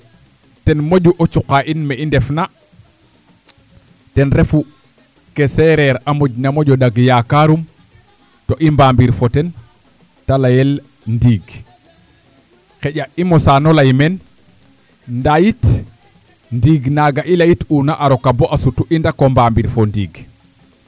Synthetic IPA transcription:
tɛnmoɟuʔot͡ʃuqaʔinmeindɛfna | tɛnɾefu | kesɛɾɛɾamoɟnamoɟɔdaɡjakaɾum | toʔimbambiɾfɔtɛn | talajel | ndiːɡ | keɟaimosanolajmen | ndajit | ndiːɡnaɡaʔilajitunaʔaɾokaboʔasutuʔindakombambiɾfondiːɡ

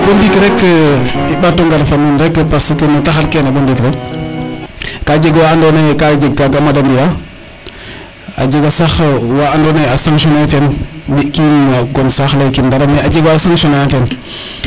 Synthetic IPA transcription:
bondikɾekː | ibatːoŋɡaɾfanunɾekːəpasikənotaxaɾkenabondikɾek | kad͡ʒeɡwaandonekad͡ʒeɡ̚ːaɡamadambija | a̰d͡ʒeɡasaxwaːndoːnejasaŋʃonetenbikimaɡonsaxlakinbaɾamead͡ʒeɡaːsaŋʃonaaten

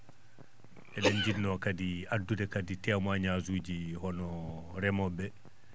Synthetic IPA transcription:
ʔɛɗɛnd͡ʒidnɔkadiadːudɛkaditɛmaɲazud͡ʒihɔnɔɾɛmɔbɛ

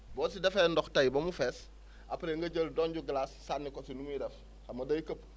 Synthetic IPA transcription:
bɔːsidɛfɛndɔxtɐjbɐmufɛːs | apɾeŋɡɐɟəldɔːɲɟuɡlasːanːikɔsinumuiɾɛf | xɐmɐdɐjikəp̚

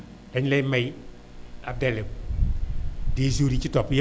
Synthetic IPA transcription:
lɛɲlɛjmɛj | ab̚dɛle | desuɾit͡ʃitɔpj

